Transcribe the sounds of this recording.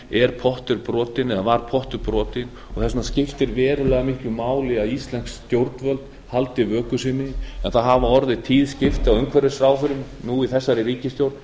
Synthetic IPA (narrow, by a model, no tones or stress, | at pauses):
ɛɾ̥pʰɔht̪ʏɾpɾɔːt̪ɪnɛðavaɾ̥pʰɔht̪ʏɾpɾɔːt̪ɪn | ɔɣθɛsnascɪft̪ɪɾvɛːɾʏlɛːɣamɪhklʏmaːwlɪaðist̪lɛnkst̪jowɾt̪nvœlt̪n | halt̪ɪvœːkʏsɪnɪɛnθaðɦavaɔɾðɪt̪ʰiːðscɪft̪ɪawʏŋkʰvɛɾɪsɾaːwfʏɾʏm | nuiθɛsːaɾɪɾiːcɪst̪jowɾt̪n